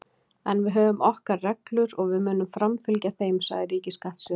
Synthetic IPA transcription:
ɛnvɪðɦœːvʏmɔhkarːɛklʏɾɔɣvɪðmʏːnʏmfɾamfɪlcaθeːjmsa̰ːɣðɪɾiːcɪskaht̪sʏː

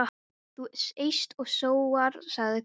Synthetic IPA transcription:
a | t̪usejst̪ɔɣsoːwaɾ̥saɣðɪk

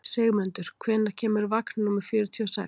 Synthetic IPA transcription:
seːɣmʏnt̪ʏɾ̥kʰvɛːnːḁcʰɛːmʏɾvaknnumʏɾ̥fjʏːɾʏt̪ʰiɔsa̰s

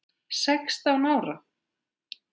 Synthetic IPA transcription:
sɛkst̪awnaːwɾa

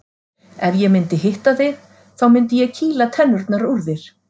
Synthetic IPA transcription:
ɛvjɛɣmɪnt̪ɪɦɪht̪aθɪɣ | θawmɪnt̪ɪjɛɣcʰiːlat̪ʰɛnːʏɾt̪naɾuɾðɪɾ̥

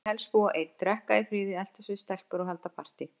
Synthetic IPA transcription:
hɛlsfɔaʔejt̪t̪ɾɛhkaðɪfɾiːðɪɛl̥t̪asɪst̪ɛlpʏɾɔɦɛlt̪apʰar̥t̪ɪ

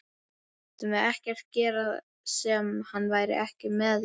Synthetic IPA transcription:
t̪ʏmɛðɛhcɛr̥t̪̚cɛːɾað | sɛmhanːvaːjɾɪ̰ʔɛhcɪmɛð

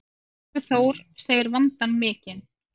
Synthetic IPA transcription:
ʏθoːwɾ̥seːjɪɾvant̪anmɪːcɪn

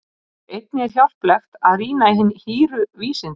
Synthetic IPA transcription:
ejt̪̚nɪɛɾ̥çjawl̥plɛxt̪aðriːnaiɦɪnːhiːɾʏviːsɪn

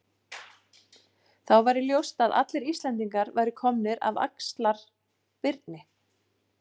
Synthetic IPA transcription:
θawvajɾɪljowst̪aða̰t̪lɪɾist̪lɛnt̪iŋkaɾvajɾɪkʰɔmnɪɾa̰va̰kst̪laɾ̥ | pɪɾt̪nɪ

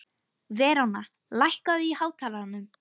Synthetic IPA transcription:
vɛːɾawna | lajhkaðihaːwt̪ʰaːlaanːʏm

